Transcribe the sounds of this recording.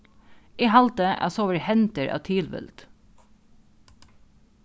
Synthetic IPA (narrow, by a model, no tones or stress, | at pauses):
iːhɑlt̪əʔɑ̰soːʋəɹhɛnt̪əɹʔɑ̰ːt̪ʰiːlʋɪ̰lt̪